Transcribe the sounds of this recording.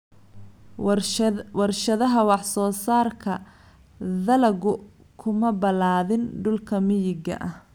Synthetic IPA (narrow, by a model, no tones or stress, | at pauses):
wɑrʃɐðɐɦɐwɑħsɔːsaːrkʰɐ | ðɐlɐɣʊ | kʰʊmɐbɐlaːðɪnɖʊlkʰɐmɪjɪɡɐ̰ʔɐh